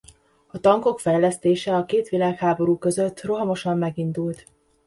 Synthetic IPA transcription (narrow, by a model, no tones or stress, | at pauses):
ɒt̪ɒŋko̞kfɛjlɛst̪eːʃɛɒkeːt̪ʋilaːkhaːbo̞ɾuːkø̞zøt̪ːro̞ɦɒmo̞ʃɒmːɛɡind̪ult̪